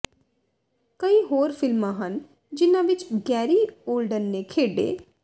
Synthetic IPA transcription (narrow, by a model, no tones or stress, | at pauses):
kəiːɦoːɾfɪlmãɦən | d͡ʒɪnãʋɪt͡ʃɡɛːɾiːoːlɖənːekʰeːɖḛː